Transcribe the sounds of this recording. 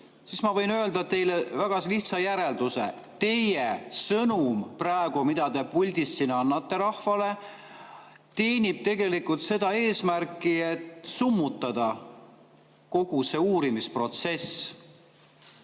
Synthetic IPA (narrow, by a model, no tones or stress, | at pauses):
siːsmɑvɤ̞jnø̞ld̪ɑt̪e̞jlevæɡ̥ɑsliht̪sɑjæɾe̞ld̪usḛ | t̪e̞jesɤnumprɑeɡ̥umid̪̥ɑd̪e̞pulʲd̪isːinɑnːɑt̪ːˑe̞ɾɑhfɑle | t̪e̞ːnʲib̥̚t̪e̞ɡe̞likult̪se̞d̪̥ɑe̞ːsmærkˑːie̞t̪ˑsumːut̪ˑːɑd̪̥ɑ | ko̞ɡ̥use̞uːɾimispro̞t̪se̞s